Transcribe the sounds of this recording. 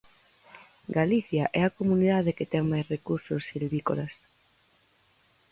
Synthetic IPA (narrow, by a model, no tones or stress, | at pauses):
ɡaliθjaʔɛakomuniðaðeket̪ɛŋmajsrekuɾsosːilβiko̰las